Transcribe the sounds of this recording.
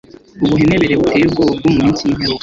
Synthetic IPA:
uβuɦeneβeɾeβutʰeːbɡob̚ɡumumiːnsiinɦeɾo

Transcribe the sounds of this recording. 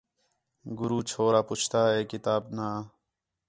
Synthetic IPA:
ɡʊɾuːt͡ʃʰoːɾaːpʊt͡ʃʰt̪aːɦeːkit̪aːbnaː

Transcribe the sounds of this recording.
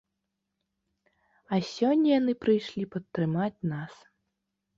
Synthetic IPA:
ɐsʲɔnʲːɐjanɨpɾɨjʂlʲipɐt̪ːɾɨmat͡sʲnas

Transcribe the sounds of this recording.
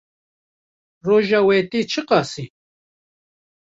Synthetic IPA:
roʒawɛt̪ʼit͡ʃʰɨqʼɑsi

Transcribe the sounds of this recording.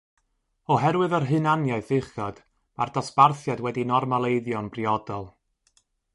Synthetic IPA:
ɔɦɛɾwɨðərɦɨnanjaɨθɨχɔd̥ | ma̰rdɔsparθjadwɛdinɔrmalˠejðjɔnbriɔdɔlˠ

